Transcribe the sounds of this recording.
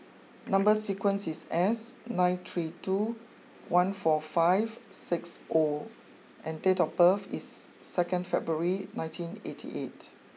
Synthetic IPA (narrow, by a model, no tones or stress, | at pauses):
nãmbəsikwə̃nsisɛsnãɪ̃nt̪ʰɹitu | wãnfɔfaɪvsɪksʔo | ʔɛ̃ntetɔbəfḭsːɛkə̃ndfɛbɹəɹinãɪ̃ntʰĩnḛtʰḭʔet